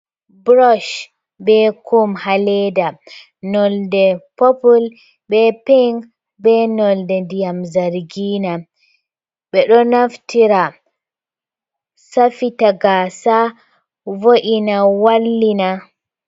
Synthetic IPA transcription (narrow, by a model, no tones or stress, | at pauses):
bɾɔʃ | bɛkumhalɛda | nɔldɛpopul | bɛpiŋɡ | bɛnɔldɛdijamzaɾɡiːna | ɓɛɗɔnaftʰiɾa | safitaɡaːsa | voʔinawalːina